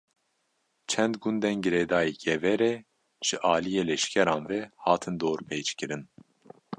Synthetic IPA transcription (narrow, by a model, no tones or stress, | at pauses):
t͡ʃʰɛnd̪ɡund̪ɛnɡɨɾeːd̪ɑːjeːɡɛvɛɾɛ | ʒ̥ɨʔɑːlijeːlɛʃkʰɛɾɑːnvɛhɑːt̪ʰɨnd̪oːɾpʰejt͡ʃkɨɾɨn